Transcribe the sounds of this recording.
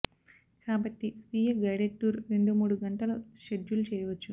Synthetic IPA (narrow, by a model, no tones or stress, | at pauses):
kaːbɐʈːisiːjɐɡɐjɽeʈːuːɾɾe̞ɳɖumuːɽuɡɐɳʈɐloʃedːulut͡ʃɛːjɐʋɐt͡ʃːu